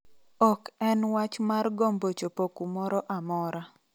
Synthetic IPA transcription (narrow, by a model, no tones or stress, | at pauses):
ɔkɛnwat͡ʃmarɡombot͡ʃopokumɔɾɔʔamɔɾa